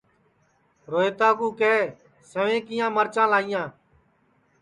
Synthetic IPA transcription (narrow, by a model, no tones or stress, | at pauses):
ɾoːeːt̪aːkuːkeː | səʋẽːkɪjãːməɾt͡ʃãːlaːɪjãː